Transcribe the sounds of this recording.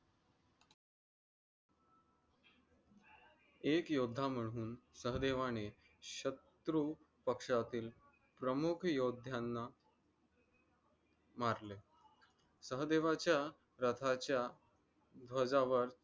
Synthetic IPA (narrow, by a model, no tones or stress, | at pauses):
ekjod̪ʱːam̤əɽ̃uːnsəɦd̪eʋane | ɕət̪ɾu | pəkʂat̪iːl | pɾəmukʰjod̪ʱjanːa | maɾle | səɦd̪eʋat͡ɕja | ɾət̪ʰat͡ɕja | d̪ʋəd͡zaʋəɾ